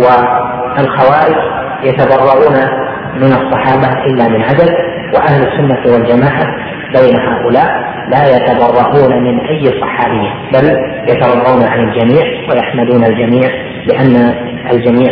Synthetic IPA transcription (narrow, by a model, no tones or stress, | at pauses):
wa | ʔalxawaːʔɪd͡ʒ | jat̪abɑrˤːɑʔuːna | mɪnɑsˤːɑħɑːbaʔɪlːamɪnʕad̪ad̪ | wa̰ʔahlasːʊnːawald͡ʒamaːʕa | bajnahaːʔʊlaːʔ | laːjat̪abɑrˤːɑʔuːnamɪnʔajːɑsˤːɑħɑːbɪjːa | bal | jat̪ɑɾˤɑb̪ˤːɑwnaʕanɪld͡ʒamiːʕwajaħmad̪uːnald͡ʒamiːʕ | lɪʔanːa | ʔa̰ld͡ʒamiːʕ